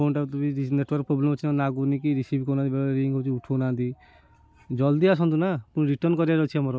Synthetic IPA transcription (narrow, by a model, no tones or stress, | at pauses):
oɳʈat̪̬ubiɾineʈwɔɾk̚pɾoblemɔt͡ʃʰinanaɡuɾnik̬iɾisibkonãt̪ibeɾiĩŋɡɦot͡ʃʰiuʈʰonand̪i | d͡ʒɔld̪ias̬ɔnt̪unapunɾiʈɔɾnkɔɾiaɾɔt͡ʃʰiamɔɾɔ